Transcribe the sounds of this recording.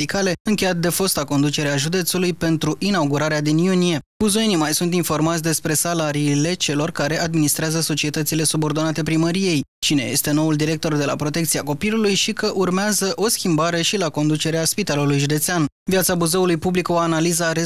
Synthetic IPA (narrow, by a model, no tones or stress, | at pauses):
ikale̞ɨŋkʲe̞jat̪̚d̪e̞fo̞st̪ako̞nd̪ut͡ʃe̞ɾeaʒud̪e̞t̪sulujpe̞nt̪ɾuʔinauɡuɾaɾead̪injunije̞b̥uzoenimajsunt̪info̞rmatsʲd̪e̞spɾe̞salaɾiːle̞t͡ʃe̞lo̞rkaɾe̞ʔad̪minist̪ɾeazəso̞t͡ʃiet̪ət̪sile̞subo̞rd̪o̞nat̪e̞pɾiməɾije̞j | t͡ʃine̞je̞̰st̪e̞no̞uld̪iɾe̞k̚t̪o̞rd̪e̞la̰pɾo̞t̪e̞k̚t̪siako̞pilulujʃikəʔurmeazəʔo̞skʲimbaɾe̞ʃilako̞nd̪ut͡ʃe̞ɾeaspit̪alulujʒud̪e̞t̪sean | viat̪sabuze̞ulujpubliko̞analizaɾe